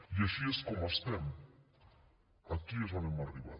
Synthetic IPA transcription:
jaʃieskomast̪em | ak̪iesanemariβa̰

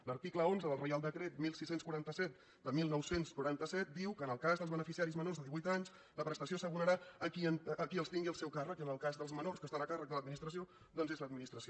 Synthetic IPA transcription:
ləɾt̪ikləonzəðəlˠrəjalˠd̪əkɾet̪̚milˠsisenskwuɾant̪əsɛt̪ | d̪əmilˠnɔwsenskuɾant̪əsɛt̪̚d̪iwkəːnəlˠkazðəlˠzβənəfisiaɾizmənorzðəðiβuit̪aɲs | ləpɾəst̪əsiosəɣuɾəɾaəkiənəkiəlˠst̪iŋɡiəlˠsɛwkarəkiənəlˠkazðəlˠzmənorskəst̪anəkarək̚d̪ələd̪minist̪ɾəsio | d̪ɔnzezləd̪̚minist̪ɾəsio

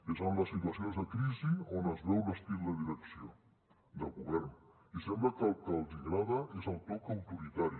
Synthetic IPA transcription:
ezanləsːit̪uəsionzðəkɾizionəzβɛwləst̪ilˠd̪əðiɾəksio | d̪əlˠɣuβɛɾn | isɛmbləkəlˠkəlˠd̪iŋɡɾaðəʔezəlˠt̪ɔkəwt̪uɾit̪aɾi

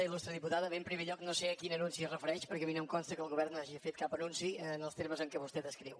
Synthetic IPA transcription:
əilust̪ɾəðiput̪aðəβempɾimeʎɔknoseəkinənunsiərəfəɾɛʃpəɾkɛminəmkonst̪əkəlˠɣuβɛrnːaʒiəfet̪̚kapənunsiənəlˠst̪eɾməzəŋkɛβust̪ɛd̪əskɾiw

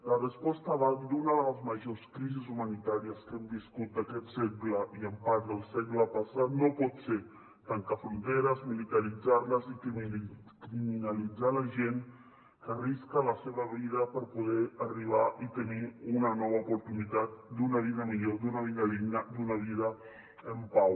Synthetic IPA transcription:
lərəspɔst̪əβad̪unəðələzməʒoskɾizizumənit̪aɾiəskɛmbiskut̪̚d̪əkɛt̪sekləʔiəmpaɾd̪əlˠseɣləpəsat̪nopɔt̪se | t̪əŋkafɾunt̪eɾəzmilit̪əɾid͡zaɾləzik | kɾiminəlid͡zaləʒen | kəriskələseβəβiðəpəɾpuð̞ɛəriβ̞aʔit̪əniunənɔβəupuɾt̪unit̪at̪̚d̪unəβ̞iðəmiʎod̪unəβinəlinəd̪unəβ̞iðə | əmpaw

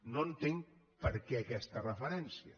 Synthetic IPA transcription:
nont̪eŋ | pəɾkɛɐkɛst̪ərəfəɾɛnsiə

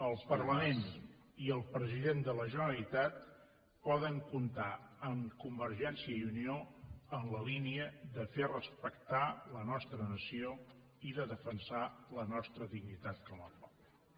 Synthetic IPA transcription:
əlˠpərləmen | iəlˠpɾəziðend̪ələʒənəɾəlit̪at̪̚ | pɔðəŋkunt̪aəmkumbərʒɛnsiəiunioənləliniəðəferəspəkt̪alənɔst̪ɾənəsio | iðəðəfənsalənɔst̪ɾəðiɡnit̪at̪kɔməpɔp̚l

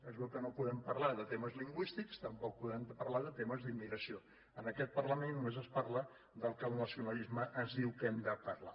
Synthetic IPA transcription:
ɛzβɛlkənopuðɛmpərlaðət̪eməzliŋɡwist̪ikst̪əmpɔk̚puðɛmpəɾlaðət̪eməzðimːiɣɾəsio | ənəkɛt̪̚pərləmẽnːumezəspaɾlə | d̪əlˠkəlˠnəsiunəlizməʔəzðiwkɛmd̪əpərla

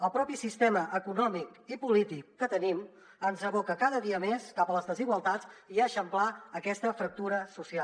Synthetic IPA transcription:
əlˠpɾɔpisist̪ɛməʔəkunɔmikipulit̪ikːət̪ənim | ənzəβokəkaðəðiəmeskapələzðəziɣwəlˠt̪at͡siəʃəmplaəkɛst̪əfɾək̚t̪uɾəsusial

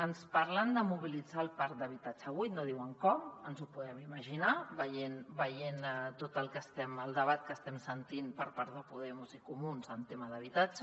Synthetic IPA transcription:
ənspəɾland̪əmuβilid͡zalˠpaɾt̪̚d̪əβ̞it̪ad͡ʒəβujt̪noðiwəŋkɔmənzupuðɛmiməʒinaβəjenbəjent̪ot̪əlˠkəst̪ɛməlˠd̪əβat̪̚kəst̪ɛmsənt̪impəɾpaɾðəpuðɛmuzikumunzənt̪eməðəβ̞it̪ad͡ʒə

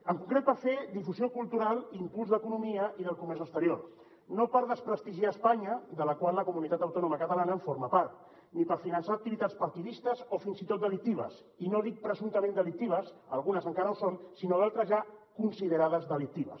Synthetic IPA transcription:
əŋkuŋkɾet̪̚pəɾfed̪ifuziokulˠt̪uɾalˠimpulˠzðəkunumiəʔiðəlˠkumɛɾzəst̪əɾjoɾ | nopəɾðəspɾəst̪iʒiaːspaɲəd̪ələkwaləkumunit̪at̪əwt̪ɔnuməkət̪alanəɱfoɾməpaɾt̪̚ | nipəɾfinənsaːk̚t̪iβit̪at̪spəɾt̪iðist̪əzofinsit̪ot̪̚d̪əlik̚t̪iβə̰s | inoðik̚pɾəzunt̪əmẽnd̪əlik̚t̪iβəsə̰lˠɣunəzəŋkaɾəusonsinoðalˠt̪ɾəzʒakunsiðəɾaðəzðəlik̚t̪iβə̰s

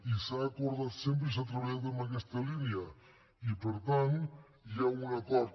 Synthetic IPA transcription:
isaːkuɾðat̪semp̬ɾəs̬at̪ɾaβazt̪əmbakɛst̪əliniə | ipəɾt̪an | jaunakɔɾt̪

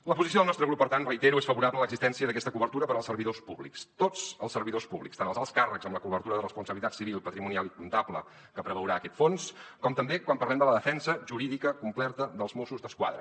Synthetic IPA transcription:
ləpuzisioðənɔst̪ɾəɣɾupːəɾt̪anrəit̪eɾuesfəβuɾablələɡzist̪ɛnsiəðəkɛst̪əkuβərt̪uɾəpəɾəlˠsərβiðospuβlḭkst̪ot͡səlˠsərβiðospuβlikst̪anəlˠzalˠskarəkzəmləkuβəɾt̪uɾəðərəspunsəβlit̪atsiβilˠpət̪ɾimunialˠikunt̪aplə̰ | kəpɾəβəwɾaəkɛt̪fonskɔmt̪əmbekwampərlɛmd̪ələðəfɛnsəʒuɾiðikəkumplɛɾt̪əðəlˠzmosuzðəskwa̰ðɾə̰

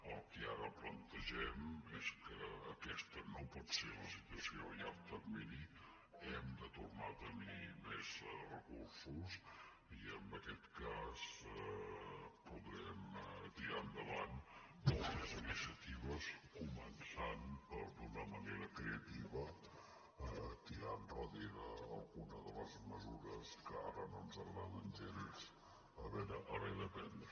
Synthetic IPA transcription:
əlˠkeaɾəplənt̪əʒɛmɛskəəkɛst̪ənopɔt̪seɾləsit̪əsiojat̪əɾmini | ɛmd̪ət̪urnat̪ənimezrəkuɾsus | iəmbəkɛt̪kaz | puðɾɛmt̪iɾand̪əβand̪əlˠəzinisiət̪iβəskumənsanpəɾd̪unəməneɾəkɾeət̪iβə | t̪iɾanpɔðiɾəəlˠɣunəðələzməzuɾəskəaɾənonzəɣɾamənt̪eɾis | əβɛɾəʔəβɛðəpɛnd̪

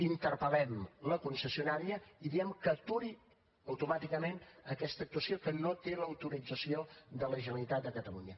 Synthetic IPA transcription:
int̪əɾpəlɛmləkunsəsiunaɾiəiðiɛmkət̪uɾi | əwt̪umat̪ikəmenəkɛst̪ək̚t̪uəsiokənot̪eləwt̪uɾid͡zəsioðələʒənəlit̪at̪̚d̪əkət̪əluɲə

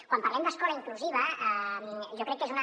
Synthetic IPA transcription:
kwampaɾrlɛmd̪əskɔlaiŋkluziβ̞əəmʒɔkɾɛkːezunə

